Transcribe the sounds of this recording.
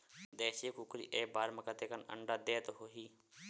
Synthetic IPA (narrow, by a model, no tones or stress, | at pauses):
d̪eːʃeːkʊkɾḭːʔeːbaːɾməkat̪eːkənə̰ɳɖaːd̪eːt̪oɦoːɦiː